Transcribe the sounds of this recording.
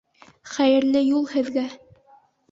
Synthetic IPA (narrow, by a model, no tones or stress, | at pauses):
χæjɘ̆ɾlɘjulˠhɘ̆ðɡæ